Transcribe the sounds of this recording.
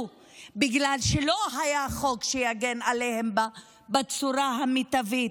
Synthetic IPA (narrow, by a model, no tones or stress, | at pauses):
biɡlalʃelo̞ɦajaχo̞kʃejaɡenalehemba | bat͡suɾaɦamit̪avit